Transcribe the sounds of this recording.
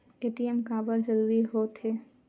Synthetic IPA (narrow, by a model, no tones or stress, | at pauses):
eʈiemkaːbəɾd͡ʒəɾuːɾiɦot̪ɦe